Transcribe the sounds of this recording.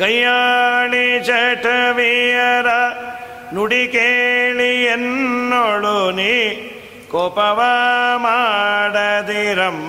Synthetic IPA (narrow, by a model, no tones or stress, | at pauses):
kɐjaːɭit͡ʃɐʈɐʋijɐɾɐ | nuɽikeːɭienːoɭuni | kɔːpɐʋɐmaːɽɐd̪iɾɐm